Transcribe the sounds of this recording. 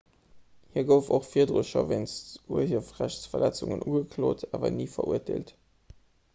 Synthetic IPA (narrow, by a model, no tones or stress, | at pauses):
hiːɐɡəʊfoχfiːɐdʁuʃɐvensuɐhifʁæɕt͡sfɐlɛt͡sʊŋənʔuːɡəkʰloːtʰaːvɐ̰niːfɐʔuɐtʰeːlt